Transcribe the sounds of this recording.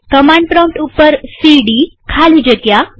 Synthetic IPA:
kəmaɳɖ̚pɾɔ̃wʈupəɾsiɖikʰalid͡ʑət̪ja

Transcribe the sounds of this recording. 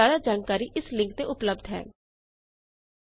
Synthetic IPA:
aːɾaːd͡ʒaːnkaːɾiːʔɪslɪ̃ŋk̚t̪eʊpləb̚d̪ɦɛ̰ː

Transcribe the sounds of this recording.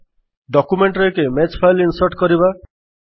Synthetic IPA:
ɖɔkumeɳʈɾekemet͡ʃpʰajlinsɔɾʈkɔɾiba

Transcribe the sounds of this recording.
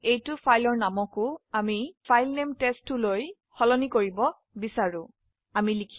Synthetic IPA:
ejtʊpʰajlɔɹnamɔkʊamipʰajlnemtestːʊloj | xɔlɔnikoɹibɔ | bisaɹʊ̃ | amilikʰ

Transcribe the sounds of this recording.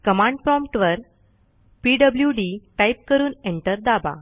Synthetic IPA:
kəmãɳɖpɾɔmpʈʋəɾ | piɖəbljuɖiʈajp̚kəɾuːneɳʈəɾd̪aba̰

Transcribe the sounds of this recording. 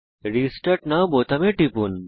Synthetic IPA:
ɾisʈɐʈnabot̪ɐmẽʈipun

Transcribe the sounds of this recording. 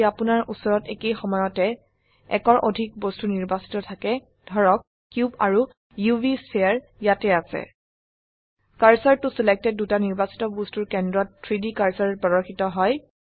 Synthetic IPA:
apunaɹʔusɔɹɔtekejxɔmɔjɔtɛ | ɛ̰kɔɹʔodʱik̚bostuniɹbasi̥tɔtʰakɛ | dʱɔɹɔkːjubaɹu | jubiseaɹ | jatɛasɛ̰ | kaɹsaɹtʊsilek̚tɛd̚dːutaniɹbasi̥tɔbostuɹkɛndɹɔtʰːɹidikaɹsaɹɛpɔdɔɹxitɔɦɔj

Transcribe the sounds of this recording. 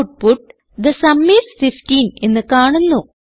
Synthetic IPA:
ʈ̚puʈ̚ | d̪ɐsɐmːisfifʈiːnenːɨkaːɳunːu

